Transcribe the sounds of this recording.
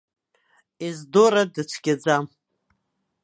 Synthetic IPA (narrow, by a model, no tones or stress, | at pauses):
izdoɾadɨt͡sʷʰɡ̥ʲad͡zam